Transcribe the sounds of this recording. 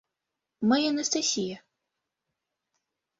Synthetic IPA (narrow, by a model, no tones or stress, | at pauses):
majaɐnɐst̪asʲijɐ